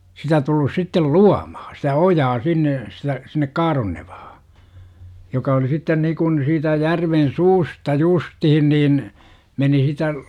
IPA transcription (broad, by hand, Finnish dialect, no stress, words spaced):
sitæ tulːus sitːel luɑmɑhɑ̥ sitæ ojɑː sinːe sitæ sinːek kɑːronːeʋ̥ɑ̥hɑ̥ jokɑ oli sitːen nikun siːtæ jærʋen suːstɑ justihin niːn meni sitæ